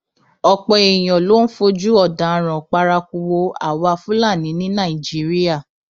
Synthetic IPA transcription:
ɔ˧k͡pɛ˧e˨j̃ɔ̃˨lo˨˦n̩˦fo˧d͡ʒu˦ɔ˦˨dã˨ɾ̃ã˨k͡pa˧ɾa˧ku˧wo˧a̰˨wa˧fũ˦la˦˨nĩ˨˦nĩ˦nã˦˨i˨d͡ʒi˨˦ɾi˦a˦˨

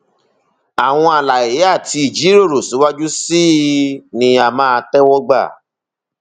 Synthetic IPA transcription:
a˨w̃ɔ̃˧a˨la˨e˨˦a˦˨ti˧i˨d͡ʒi˨˦ɾo˦˨ɾo˨sũ˨˦wa˦d͡ʒu˦si˦˨nĩ˧a˨mãː˦˧tɛ˦wɔ˦ɡ͡ba̰˦˨

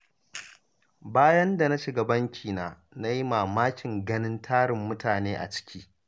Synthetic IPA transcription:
baː˦jɐ˦nda˨na˦ʃɪ˨ɡɐ˨bɐ˦ŋkʲʰiː˨naː˨ | na˦ji˦maː˨maː˦kʲɪ˨ŋɡɐ˦nɪ˦ntʰaː˦ɽɪ˨mːʊ˦taː˨neː˦ʔa̰˨t͡ʃɪ̥˦kʲʰiː˦

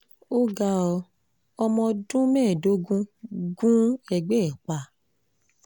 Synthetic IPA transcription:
o˦ɡa˧ɔ˧ | ɔ˧mɔ̃˧dũ˦mɛ̃ː˦˨do˨˦ɡũ˦ɡũ˦ɛ˧ɡ͡bɛ˦˨k͡pa˨

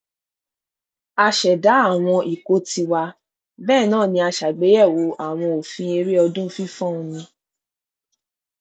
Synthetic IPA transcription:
a˧ʃɛ˨da˨˦a˦˨w̃ɔ̃˧ʔi˨ko˦tʰi˧wa˧ | bɛː˦˨nãː˦˨nĩ˧a˧ʃa˨ɡ͡be˨˦jɛ˦˨wo˨˦ʔa˦˨w̃ɔ̃˧o˨fĩ˧e˧ɾi˦ɔ˧dũ˦fĩ˦fɔ̃˦ũ˧nĩ˧

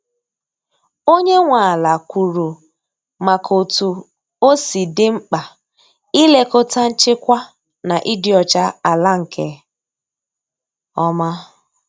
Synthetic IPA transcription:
o˦ɲe˦ŋʷa˨a˨la˨kʷu˨ɾu˨ | ma˨kʰo˨tu˨ | o˦si˨dɪ˦ŋ͡m̩˦k͡pa˨ | i˦le˦kʊ˦ta˦n̩˦t͡ʃɪ˦kʷa˦ | na˨ʔi˦dɪ˦ɔ˨t͡ʃa˦a˨la˦ŋ̩˨kʰe˨ | ɔ˦ma˦

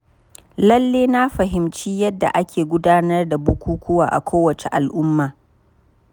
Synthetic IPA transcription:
lɐ˦lːeː˦na˦ɸɐ˨ɦɪ˨mt͡ʃiː˦jɐ˦dːa̰˨ʔa˦kʲʰeː˨ɡʷʊ˦daː˦nɐ˦rda˨bʊ˦kʷuː˦kʷʊ˦waː˨ʔa̰˨kʷoː˦wɐ˨t͡ʃe˨ʔa˨lʔʊ˦mːaː˨

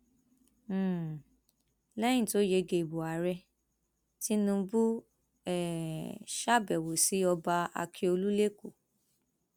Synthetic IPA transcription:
lɛ̃˦ĩ˦˨to˨˦je˧ɡe˨i˨bo˨a˨ɾɛ˧ | ti˦nũ˧bu˦ | ɛ˨ʃa˦bɛ˨wo˨si˨˦ɔ˧ba˧a̰˧kʰi˧o˧lu˦le˦ku˦˨

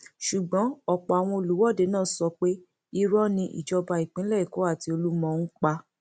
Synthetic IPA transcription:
ʃu˨ɡ͡bɔ̃˨˦ɔ˦˨k͡pɔ˨a˨w̃ɔ̃˧o˧˨lu˨˦wɔ˦˨de˨˦nãː˦sɔ˧k͡pe˦ | i˦ɾɔ˦nĩ˧ʔḭ˨d͡ʒɔ˧ba˧i˨k͡pĩ˨˦lɛ˦˨i˨ko˨˦a˦˨ti˧˦o˧lu˦mɔ̃˧n̩˦k͡pa˧

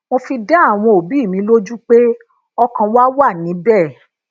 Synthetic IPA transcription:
w̃õ˧fi˧da˦a˦˨w̃ɔ̃˧o˨bi˨˦˨mĩ˨˧˦lo˦d͡ʒu˦k͡pe˦ | ɔ˧kã˧wa˦wa˦˨nĩ˨˦bɛ˦˨

